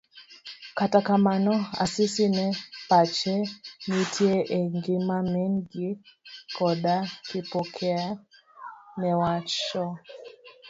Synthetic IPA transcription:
katakamanɔa̰sisinɛpat͡ʃɛnitʰiɛʔɛŋɡimamɛŋɡikɔɗakipɔkʰɛa | nɛwat͡ʃɔ

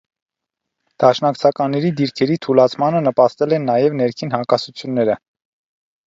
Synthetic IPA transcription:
d̪̥ɑʃnɑkt͡sʰɑkɑnːɛɾid̪iɾkʰɛɾit̪ʰulɑt͡sʰmɑnənəpɑst̪ɛlɛnːɑjɛvnɛɾkʰinhɑkɑsut͡sʰjunːɛɾə

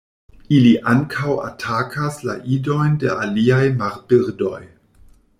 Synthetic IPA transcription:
iliʔaŋkʰawa̰tʰakʰasla̰ʔido̞jnde̞̰ʔaliajmaɾbiɾdo̞̰j

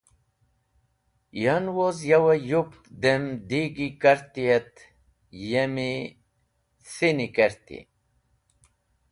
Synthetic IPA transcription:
janwozjawɐjup̚t̪d̪emd̪iɡikɐɾt̪ijet̪ | jemi | sinikeɾt̪ḭ

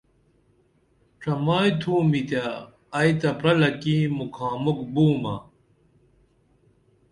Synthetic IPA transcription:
ʈ͡ʂʰɐmaːjt̪ʰuːmit̪aː | jt̪ɐpɾɐlɐkimukʰaːmukbuːmɐ̰

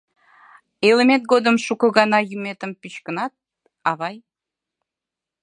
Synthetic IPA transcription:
element̪̚ɡod̪ə̆mʃukɤ̆ɣɑnɑjymet̪ə̆mpit͡ɕkə̆nɑt̪̚ | ɑβɑj

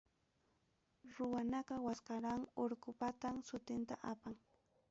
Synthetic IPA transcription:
ɾʊwanaɢɑwaskaɾaŋoɾkʊpat̪amsʊt̪ɪnt̪aʔapaŋ

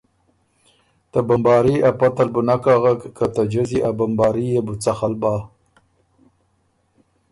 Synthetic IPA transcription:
t̪abambɑːɾiʔapat̪albunakaɣakkːat̪ad͡ʒaziʔabambɑːɾijebut͡saxalbɑ

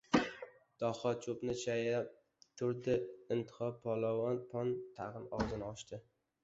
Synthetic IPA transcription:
d̪̥ɒhɒt͡ʃʰopnɪt͡ʃʰaja | t̪ʰʊɾd̪ɪɪnt̪ʰɪ̥χɒpʰɒlˠɒwɒnpʰɒnt̪ʰaʁɨnɒwzɪnɪɒʃt̪ɪ

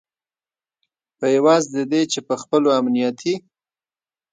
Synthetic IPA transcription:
pəjawɑzd̪əd̪et͡ʃepəxpəloamnijɑt̪ʰi

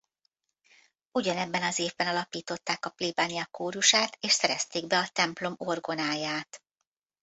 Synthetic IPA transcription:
uɟɒnɛbːɛnɒzeːvbɛnɒlɒpiːt̪o̞t̪ːaːkɒpliːbaːnijɒkoːɾuʃaːt̪eːʃsɛɾɛst̪eːɡbɛɒt̪ɛmplo̞mo̞rɡo̞naːjaːt̪

